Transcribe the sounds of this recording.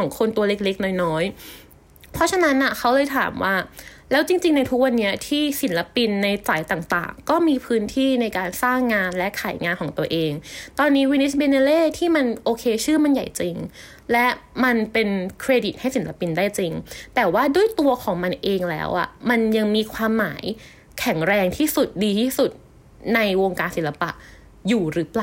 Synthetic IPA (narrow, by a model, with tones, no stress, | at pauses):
kʰɔː˩˦ŋkʰo˧nt̪u˧ɐle˦˥k̚le˦˥k̚nɔː˦˥jnɔː˦˥j | pʰɔ˦˥t͡ɕʰa˧na˦˥nʔa˨˩kʰa˦˥wlɤː˧jt̪ʰa̰ː˨˩˦mwaː˥˩ | lɛː˦˥wt͡ɕi˧ŋt͡ɕi˧ŋna˧jt̪ʰu˦˥k̚wa˧nːi˦˥ɐt̪ʰiː˥˩si˩˦nla˧˥pi˧nːa˧jt͡ɕaː˩˦jt̪aː˨˩ŋt̪a̰ː˨˩ŋkɔː˥˩miː˧pʰɯː˦˥nt̪ʰiː˥˩na˧jkaː˧nsaː˥˩ŋːaː˧nlɛ˦˥ʔkʰaː˩˦jŋaː˧nkʰɔː˩˦t̪u˧ɐʔeː˧ŋt̪ɔː˧nːiː˦˥wi˧ne˦˥sbe˧ne˧leː˥˩t̪ʰiː˥˩ma˧nʔoː˧kʰeː˧t͡ɕʰɯː˥˩ma˧nja˨˩jt͡ɕi˧ŋ | lɛ˦˥ʔma˧npe˧nkʰɾeː˧di˨˩t̪̚ha˥˩jsi˩˦nla˧pi˧ndaː˥˩jt͡ɕi˧ŋt̪ɛː˨˩waː˥˩du˥˩əjt̪u˧ɐkʰɔː˩˦ŋma˧nʔeː˧ŋlɛ̰ː˦˥wʔa̰˨˩ma˧nja˧ŋmiː˧kʰwaː˧mːa̰ː˩˦j | kʰɛ˨˩˦ŋɾɛː˧ŋt̪ʰiː˥˩su˨˩t̪̚diː˧t̪ʰiː˥˩su˨˩t̪̚ | na˧jwo˧ŋkaː˧nsi˨˩˦nla˧pa̰˨˩ʔ | juː˨˩ɾɯː˨˦˥paː˨˩